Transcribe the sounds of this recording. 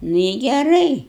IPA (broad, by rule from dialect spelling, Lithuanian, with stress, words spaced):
ˈnʊ ɪ ɡʲɛˈrɐɪ